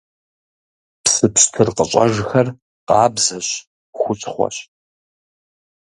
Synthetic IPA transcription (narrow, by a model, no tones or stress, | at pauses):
psɨpɕtʰɨrqəɕʼɐ̰ʒxɐr | qɑːbzɐɕ | xʷʊt͡ʃʼχʷɔ̰ɕ